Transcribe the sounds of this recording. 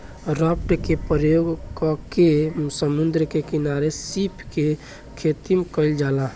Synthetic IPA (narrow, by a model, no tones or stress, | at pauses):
ɾəpʈkepɾjoɡkɔkesəmund̪ɾəkekinaɾesipʰke | kʰet̪imkəɪld͡ʒala